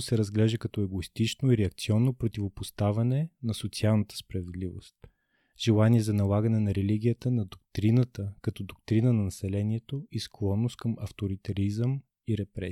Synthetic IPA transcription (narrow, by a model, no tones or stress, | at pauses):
sɛɾɐzɡlɛʒd̪əkɐt̪ɔɛɡoist̪it͡ʃnoiɾɛɐk̚t̪siɔnːopɾot̪ivopost̪avɐnɛnɐsot̪sialˠnət̪ə̥spɾɐvɛd̪livo̰st̪̚ | ʒ̥ɛlˠaniɛzɐnɐlˠaɡɐnɛnɐɾɛliɡ̟ʲijət̪ənɐd̪ok̚t̪ɾinət̪əkɐt̪ɔd̪okt̪ɾinənɐnɐsɛlɛniɛt̪oisklˠɔnːost̪̚kɐmɐft̪oɾit̪ɐɾizəm | iɾɛpɾɛ